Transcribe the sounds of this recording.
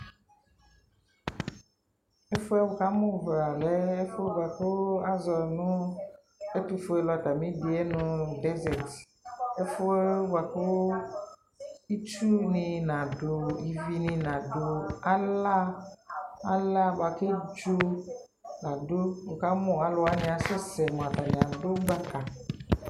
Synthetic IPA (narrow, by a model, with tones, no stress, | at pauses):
e˦fo˦ɛ˦wo˨ka˦mõ˦va˨lɛ˦e˦fo˦ba˨ke˦a˦zɔ˨nũ˦ | e˦t̪u˦fo˦e˦lɔ˨t̪a˨mĩ˦ɖi˨e˦nũ˦ɖɛ˦zɛ˨t | e˦fo˦ba˨ke˦wo˦ | i˦t͡ʃu˦nĩ˨nã˨ɖo˨i˨vi˨nĩ˨nã˨ɖo˨a˦la˦ | a˦la˦ba˨ke˦d͡ʒu˦ | nã˨ɖo˦o˨ka˦mũ˦˨a˦lɔ˦a˦nĩ˨a˨sɛ˦sɛ˨mɔ̃˨a˨ta˨ɲĩ˨ã˨ɖo˦ɡ͡ba˦ka˨